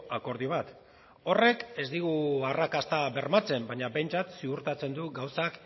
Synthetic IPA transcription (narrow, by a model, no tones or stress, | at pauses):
ako̞ɾð̞io̞β̞at̪ | o̞re̞ke̞zd̪iɣ̞uarakast̪aβe̞ɾmat͡se̞mbaɲabe̞jnt͡sat̪siɣuɾt̪at͡se̞nd̪uɡawsak